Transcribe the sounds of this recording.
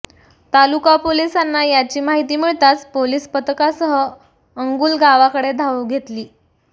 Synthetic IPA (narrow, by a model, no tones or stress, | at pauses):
t̪alukapolisanːajat͡ɕiːmaɦit̪iːmiɭt̪at͡spoliːspət̪kasəɦə | əŋɡuːlɡaʋakəɽed̪ʱaʋəɡʱet̪liː